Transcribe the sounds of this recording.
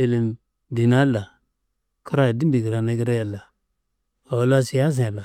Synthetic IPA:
e˦li˨m | di˨na˦la˨ | ku˦ɾa˦ja˨di˦mbi˨ɡi˨ɾa˨na˨ɡi˦ɾa˦ja˨la˨ | a˨wa˨˦la˦si˨ja˦z̬ã˨la˨

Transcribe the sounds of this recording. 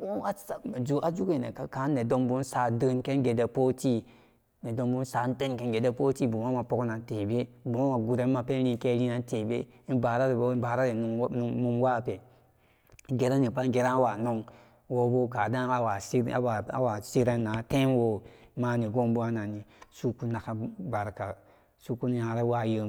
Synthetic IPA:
o˦a˦sa˨me˨d͡ʒu˦ʔa˦d͡ʒu˦ki˨nḛ˨ka˨ka˨˦ne˨do˦mbu˦n˦sa˨də˦nke˦n˦ɡe˨de˨po˦ti˦ | ne˨do˦mbu˦n˦sa˨n˦də˦nke˦nɡe˨de˨po˦ti˦˨bu˨ma˦ma˨po˦kna˨n˦te˨be˦bu˨ma˦ma˨ɡu˨ɾe˨˦ma˨pe˦n˦i˧˦ke˦ɾi˦na˨n˦te˨bḛ˦ | i˦ba˨ɾa˦ɾi˨bba˨ɾa˦ɾi˨nu˨˦n˨nu˧m˦wa˦˨pe˨˦ | ɡe˨ɾa˦ni˨pa˦ŋ˦ɡe˨ɾa˦a˦wa˨no˦ŋ | wo˦bo˦ka˨da˦a˦wa˨sa˦a˨a˦wa˨si˦ɾe˦nː˦a˨˦tẽ˦nwo˨˦ma˦ni˨ɡo˦mbu˦a˦na˨ni˨su˦ku˦na˨ka˦ba˨ɾka˨ | su˦ku˦n˦ja˨ɾe˦wa˦˨jə˦

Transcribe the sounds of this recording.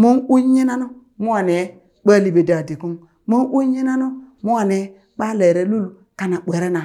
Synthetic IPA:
mo˦nu˦ɲi˦na˦nu˦ | mu˦wa˨ne˨˦ | k͡pa˦li˨be˨da˨di˨ku˦ŋ | mo˦nʔu˦ɲi˦na˦nu˦mu˦a˨ne˨˦ | k͡pa˦le˨ɾe˦lu˦l | ka˦na˨ɓʷe˨ɾe˦na˨

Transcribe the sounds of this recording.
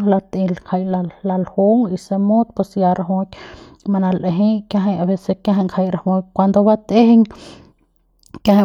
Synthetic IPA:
la˧t̪i˧lkʰa˧jla˧la˧lho˦ŋi˧se˧mo˦t̪̚pwe˧sja˧ɾa˧ɦo˧k̪ʲ | ma˧na˧lʔe˧ɦe˦jkja˧ɦa˧ja˧be˧se˧kja˦ɦa˧ŋkʰa˧jɾa˧˨ho˧jkʷwa˧nd̪o˧ba˦t̪e˦he˦ŋ | kja˦h

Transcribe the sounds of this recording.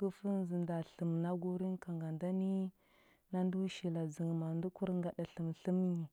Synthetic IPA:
kə˦fə˦n˦zi˨nda˨ɬə˨mna˦ɡu˦ɾi˦nka˨ŋɡa˨nda˦ni˦ | na˦ndu˦ʃi˨la˨zi˨ŋ˨ma˨ndu˦ku˦ɾŋɡa˨ɗa˨ɬə˨mɬə˦m˦ɲi˨

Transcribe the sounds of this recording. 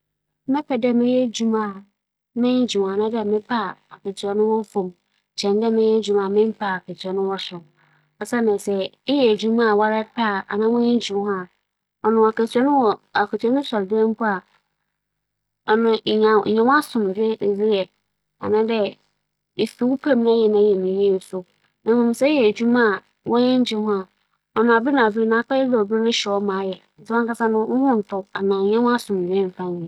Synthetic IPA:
mɪ̃˦pʰɛ˨dɛ˦mɪ̃˦jɛ˦d͡ʑu˦mã˨ | mɪ̃˦n˦d͡ʑũ˨ã˨nã˦dɛ˦˨mɪ̃˦pʰa˦˨a˨kɛ˨tʰɥɛ˨nʊ̃˦wɔ˦fõ˨m˨ | t͡ɕʰɛ̃˨ndɛ˦mɪ̃˦jɛ˦d͡ʑᶣu˦mã˨mɪ̃˦m˦pʰa˦˨a˨kʰɛ˨tʰɛ˨nʊ̃˦wɔ˦sʊ˨ | ɔ˨sa˦nã˨sɛ˨ɪ˦jɛ˨d͡ʑu˦mã˦˨wa˦ɾɛ˦pʰa˦˨a̰˨nã˦mʊ̃˦jɛ˦d͡ʑᶣũ˨˦hã˦˨ | ɔ˨nʊ̃˨a˨kɛ˨tʰɥɛ˦nʊ̃˦wɔ˨a˨kɛ˨tʰɥɛ˦ʊ̃˦sɔ˨ldɛ̃˦m˦kʰʊ˦a˨ | ɔ˨nʊ̃˨ɲã˨ɲã˨w̃a˦sʊ̃˨m˨d͡ʑe˦˨ɾi˦jɛ˨ | a̰˨nã˦dɛ˦ | e˨fi˨wu˦pʰa˨˦m˦a˦jɛ˨nã˨˦˨jɛ˨nĩ˨jɛ˦˨sʊ˦ | nã˨mʊ̃˨mɪ̃˨sɛ˦jɛ˨d͡ʑᶣu˦mã˦˨ | wɔ̃˦jɛ̃˦ɲ˦d͡ʑɪ˦ã˦ | ɔ˨nʊ̃˨a˨bɪ˦nã˨vi˦˨nã˨˦k͡pa˦jɛ˦dɛ˨ɔ˨bɪ˦nʊ̃˦ɕɛ˨ɔ˦mã˨˦jɛ˨n̩˨tʰɪ˦ã˦ŋ˦ka˦sa˦nʊ̃˦ʊ˦hʊ̃˦n̩˨tʰʊ˦a˨nã˨ɲã˦w̃a˦sʊ̃˨m˨de˦m̩˨fã˦˨

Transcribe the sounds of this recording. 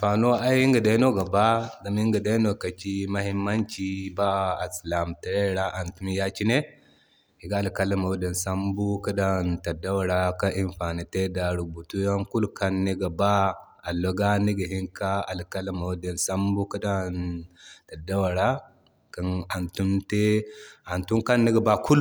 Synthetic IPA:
fa˨no˦a˦i˦ŋɡa˨da˦no˦ɡa˨ba˦da˨mi˦ŋɡa˨da˦no˨ka˨t͡ʃi˦ma˦hi˦mːa˦nt͡ʃi˦baː˦˨sla˨mta˨ɾe˦ɾa˦ʔa˨ntu˦m˦ja˦t͡ʃi˦ne˦ | hi˨ɡa˦a˨lka˦la˦ma˨o˦de˨nsa˦mbu˦ka˦da˦nta˨da˦wa˨ɾa˦ka˦ʔi˦nfa˨ni˨te˦da˨ɾu˨bu˨tu˦ja˦ŋku˦lka˦nːe˦ɡa˨ba˦ | a˨lo˨ɡa˦ni˦ɡə˨ɦi˦ŋka˦a˨lka˦la˦ma˨wde˨nsa˦mbu˦ka˦da˦nta˨da˦wa˨ɾa˦ | ka˨na˨ntu˦mte˦a˨ntu˦ka˦nːe˦ɡa˨ba˦kʰu˦l

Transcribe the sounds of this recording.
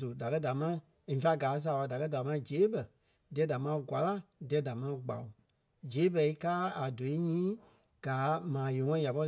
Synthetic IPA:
su˨da˨kɜ˦da˨mã˦ | ĩ˨fa˧˦ɡaː˨˦s̬aː˨ɓa˧da˨kɜ˦da˨˦mã˧˦d͡ʒeː˨˦bə˨ | dɛ˨˦da˨mãː˧˦ɡwa˨la˦dɛ˨˦da˨mã˧˦ɡ͡ba̰˨u˨ | d͡ʒeː˨˦bɛ˧i˦kaː˦a˨do˨i˦ɲĩː˦ | ɡ̥aː˨˦mãː˨jõ˨˦ŋɔ̃˦ĩ˦ja˨pɔ˧˦

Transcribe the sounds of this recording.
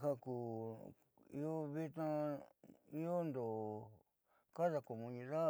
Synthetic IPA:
ha˦ku˨ | i˧˦o˦βi˦t̪ã˦˧ | i˦o˦nd̪o˨ | ka˦ða˧ko˨mũ˧nĩ˧ða˦

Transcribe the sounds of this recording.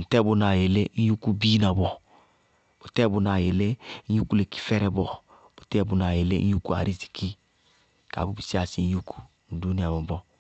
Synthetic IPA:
n̩˨tɛ˦˨bu˧na˨je˨le˦n˦u˦ku˦bi˦na˨bɔ˨ | b̥o˨tɛ˦˨bu˨na˨je˨le˦n̩˦ju˦ku˦le˨ki̥˦fɛ˦ɾɛ˨bɔ˨ | b̥o˨tɛ˦˨bu˨na˨je˨lḛ˦u˦ku˦a̰˨ɾi˦zi̥˨kʰi˦ | ka̰˨bu˦bi˨si˦a˨si˦n˦ju˦ku̥˦˨n̩˨du˦ni˦a˨bɔ˨bɔ˦

